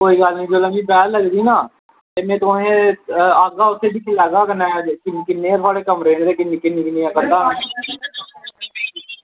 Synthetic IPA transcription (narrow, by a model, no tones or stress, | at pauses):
koːiːɡəlnĩːd͡ʒoːlaːmĩːpɛːləɡd̪iːnaː | t̪emẽːt̪oɦẽːaːɡaːʊsʰeːd̪iːkʰɪlɛːɡaːkənɛ̃ːkɪnkɪnːẽːt̪ʰʊaːɽeːkəmɾeːɳd̪eːkɪnːeːkɪnːĩːkɪneːãːkənd̪aː